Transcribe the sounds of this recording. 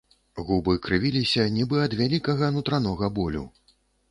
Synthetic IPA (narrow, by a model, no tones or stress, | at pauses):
ɣubɨkɾɨvʲilʲisʲɐnʲibɨɐd̪vʲalʲikɐɣɐnut̪ɾan̪ɔɣɐbɔlʲṵ